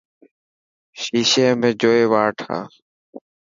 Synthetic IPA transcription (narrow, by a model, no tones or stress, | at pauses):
ʃiːʃeːmẽːd͡ʒoːeːʋaːʈʰa̰ː